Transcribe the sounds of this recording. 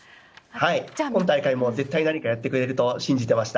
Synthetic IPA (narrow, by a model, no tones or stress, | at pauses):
haikõnt̪aikaimo̞ze̞t̪ːainaɲ̟ikajat̪ːe̞kɯ̟ɾe̞ɾɯ̟t̪o̞ɕĩɲ̟d͡ʑit̪e̞maɕi̥t̪a